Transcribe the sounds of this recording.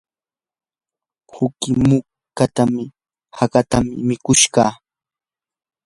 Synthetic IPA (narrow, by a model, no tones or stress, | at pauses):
hʊkɪmʊ | kat̪amɪ | hakat̪amɪmɪkʊʃɢɑː